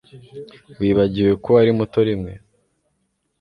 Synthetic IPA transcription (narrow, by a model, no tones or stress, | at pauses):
wiːβaɟiwe̞koaɾimuto̞ɾimŋe̞